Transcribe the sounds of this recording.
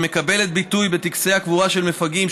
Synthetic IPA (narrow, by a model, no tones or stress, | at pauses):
mekabe̞le̞t̪̚bit̪ujbe̞t̪iksehakvuʁaʃe̞lmefaɡim